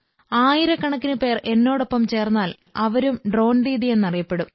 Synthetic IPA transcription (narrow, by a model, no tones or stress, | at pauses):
aːjiɾɐkɐɳɐkːinɨpe̞ːrʔe̞nːo̞ːɽo̞pːɐmt͡ɕe̞ːrnːaːl | ɐʋɐɾumɖro̞ːndiːðije̞nːɐrijɐpːe̞ɽum